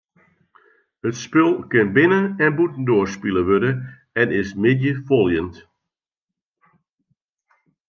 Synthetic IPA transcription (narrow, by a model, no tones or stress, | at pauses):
ətspɪlˠkɪnbɪnəɛnbutən̩doərspiləʋødə | ɛnɪsmɪdjəfolˠjənt